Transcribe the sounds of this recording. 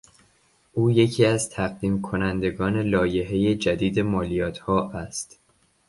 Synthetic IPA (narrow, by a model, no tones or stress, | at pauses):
ʔuːje̞cʰiːæzt̪ʰæɢd̪iːmkʰo̞nænd̪e̞ɡɒːne̞lɒːje̞ɦe̞je̞d͡ʒæd̪iːd̪e̞mɒːlijɒːt̪ʰhɒːʔæst̪